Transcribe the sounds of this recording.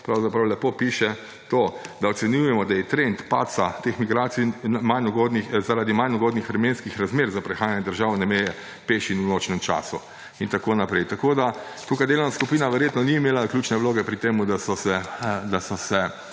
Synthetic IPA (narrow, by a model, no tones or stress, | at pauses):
pɾawzapɾawlɛpopiːʃɛ | t̪oːd̪aɔtsɛnjujɛmɔd̪ajɛt̪ɾent̪pa̰ːsat̪exmiɡɾaːt̪sinmajnɔɡod̪nixzaɾaːd̪imajnɔɡoːd̪nixaɾmenskixɾazmeːɾzapɾɛxaːjanjɛd̪əɾʒaːwnɛmejɛ | peːʃinunoːt͡ʃnɛmt͡ʃa̰ːsu | int̪akoːnapɾɛjt̪akoːd̪a | t̪ukajd̪eːlownaskupiːnaʋɛɾjet̪nɔniːmeːlaklʲjuːt͡ʃnɛʋloːɡɛpɾit̪eːmud̪asɔsɛd̪asɔsɛ